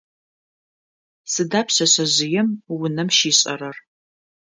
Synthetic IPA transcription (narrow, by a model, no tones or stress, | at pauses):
sɨdaːpʰɕɐɕɐʑɪjɛmwʊnɐmʃiːɕʼɐrɐr